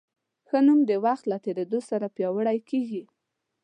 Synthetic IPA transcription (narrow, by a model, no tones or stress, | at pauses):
xənumd̪əwaxt̪lat̪eɾed̪osaɾapjɑwəɽajkeɡi